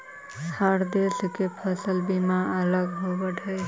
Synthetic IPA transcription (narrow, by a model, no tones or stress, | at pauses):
saɾd̪eskepʰəsəlbimaələɡɦobəʈʰəj